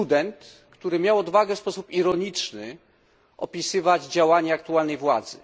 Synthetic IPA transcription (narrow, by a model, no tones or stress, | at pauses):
ud̪ɛnt̪ | kt̪uɾɘmʲjawɔd̪vaɡɛfspɔsupiɾɔɲit͡ʂnɘ̰ | ʔɔ̰pʲisɘvad͡ʑd͡ʑawaɲɛakt̪ualnɛjvwad̪zɘ̰